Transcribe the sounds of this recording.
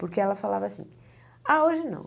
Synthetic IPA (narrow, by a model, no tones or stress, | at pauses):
pʊɾkeɛlɐfalavɐasḭ̃ | aoʒɪnɐ̰̃w̃